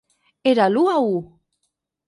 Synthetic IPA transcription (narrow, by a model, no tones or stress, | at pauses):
eɾaluau